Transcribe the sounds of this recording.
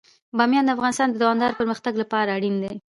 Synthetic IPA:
bɑmjɑnd̪əafɣɑnɪst̪ɑnd̪əd̪awɑmd̪ɑɾpəɾməxt̪aɡlapɑɾaːɽind̪e

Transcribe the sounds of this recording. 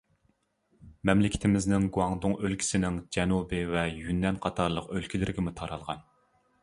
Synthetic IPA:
mɛmlɪkʲʰɪ̥t̪ʰɪmɪznɪŋɡuɑŋd̪ʊŋølkʲʰi̥sɪnɪŋd͡ʒɛnubɪvɛjynːɛnqʰɑt̪ʰɑɾlˠəqølkʲʰilɪɾɪɡʲɪmut̪ʰɑɾɑlˠʁɑ̰n

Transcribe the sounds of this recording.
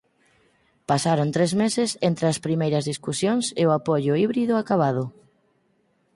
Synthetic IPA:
pasaɾont̪ɾezmesɪsent̪ɾeɐspɾimejɾɐzðiskusjoŋsɪʊapoʎʊiβɾiðʊakaβaðʊ

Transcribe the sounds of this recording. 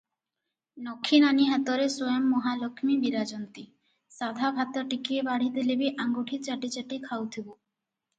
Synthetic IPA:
nɔkʰːinaniɦat̪ɔɾesojɔmːɔɦalokʰmibiɾad͡ʒɔnt̪i | sad̪ʱabʱat̪ɔʈikiebaɽ̤it̪elebiʔaŋɡoʈʰit͡ʃaʈit͡ʃaʈikʰawt̪ʰibo

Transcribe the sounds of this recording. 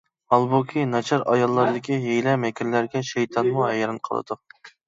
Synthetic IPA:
ɑlˠbokʲʰinɑt͡ʃʰɑɾɑjɑlˠːɑɾd̪ɪkʲiɦejlɛmɛkʲiɾlæɾɡʲɛʃejt̪ʰɑnmuɦɛjɾɨnqʰə̰lˠɨ̰d̪̥ʊ

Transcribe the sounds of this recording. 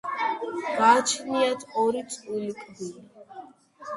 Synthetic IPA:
ɡaːt͡ʃʰniat̪ʰɔɾit̪sʼulikʼdii

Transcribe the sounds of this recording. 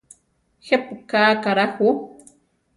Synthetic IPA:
xepkaːkaɾahu

